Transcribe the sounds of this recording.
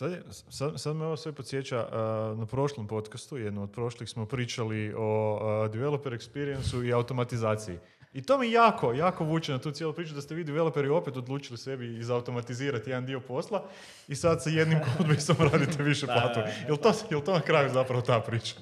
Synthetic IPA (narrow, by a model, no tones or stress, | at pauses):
sad̪je | sad̪msad̪meo̞ʋosʋe̞po̞t̪sje̞t͡ʃanapɾo̞ʃlˠompo̞t̪kast̪ujed̪nomod̪pɾo̞ʃlixsmo̞pɾiːt͡ʃalio̞d̪iʋelopeɾuekspiɾiensuiaut̪o̞mat̪izaːt̪siḭ | it̪omijaːkʰo̞jaːko̞ʋuːt͡ʃenat̪uːt̪sjelupɾiːt͡ʃud̪ast̪eʋiːd̪iʋe̞lope̞ɾio̞pet̪o̞d̪lˠuːt͡ʃilise̞biːzaːut̪o̞mat̪iziːɾat̪je̞d̪and̪io̞po̞slˠa | isad̪saje̞d̪nimkod̪bisomɾaːd̪it̪eʋiʃeplaːt̪ujelt̪oːjelt̪onakɾaːjuzapɾaʋot̪aːpɾiːt͡ʃḁ